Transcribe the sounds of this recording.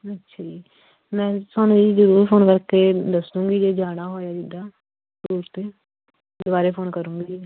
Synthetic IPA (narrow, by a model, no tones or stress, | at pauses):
ətːʃʰaːd͡ʒiː | mɛ̃ːsanũːiːzəɾuːɾpʰoːnkəɾkeːd̪əsnũːɡiːd͡ʒeːd͡ʒaːɽaːɦoːjaːd͡ʒ̪ɪd̪aː | zɾuːɾt̪eː | dd̪ʊbaːɾeːpʰoːnkəɾũːɡiː